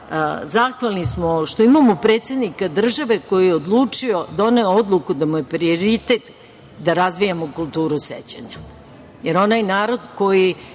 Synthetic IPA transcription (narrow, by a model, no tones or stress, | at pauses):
zaxʋalˠnismoʃt̪oimamopɾe̞ːt̪sed̪nikad̪r̩ʒaʋe̞ko̞jijeod̪lˠuːt͡ʂio̞d̪o̞neood̪lˠukud̪amuje̞pɾio̞ɾit̪e̞t̪ | d̪aɾazʋijamokulˠt̪uːɾusḛt͡ɕa̰ɲa | je̞ɾo̞najnaːɾo̞d̪ko̞ji